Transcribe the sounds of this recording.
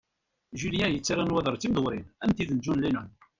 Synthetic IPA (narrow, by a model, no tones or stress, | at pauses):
ʒiljæjət͡sːiɾænwæðəɾˤt͡sːimðəwɾinænt̪iðənd͡ʒunlinən